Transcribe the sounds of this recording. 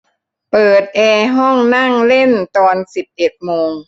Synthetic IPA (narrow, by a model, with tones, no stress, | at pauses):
pɤː˨˩t̪̚ʔɛː˧ɦɔ˥˩ŋna˥˩ŋle˥˩nt̪ɔː˧nsi˨˩p̚t͡ɕe˨˩t̪̚moː˧ŋ